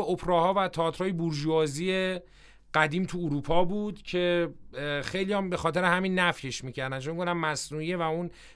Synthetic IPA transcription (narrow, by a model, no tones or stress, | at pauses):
opʰɾɒːhɒːvæt̪ʰɒːt̪ʰɾhɒːjebuɾʒuɒːzie | ɢ̥æd̪iːmt̪ʰuːɾuːpʰɒːbuːd̪̥cʰe̞ | xe̞jlijɒmbe̞xɒːt̪ʰe̞ɾehæmiːnːæfje̞ʃmiːcʰæɾd̪ænt͡ʃomiɡofd̪æmːæsnuːievæun